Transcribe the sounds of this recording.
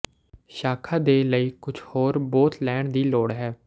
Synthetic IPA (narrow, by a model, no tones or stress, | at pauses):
ʃaːkʰãːd̪eːləiːkʊt͡ʃʰhoːɾbɔːt̪lɛːɳd̪iːloːɽɦɛː